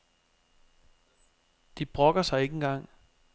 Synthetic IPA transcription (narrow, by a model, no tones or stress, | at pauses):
d̥ib̥ʁɔ̽ɡ̥ɐsɑ̈ɪe̝ɡenɡ̥ɑ̈ŋ̰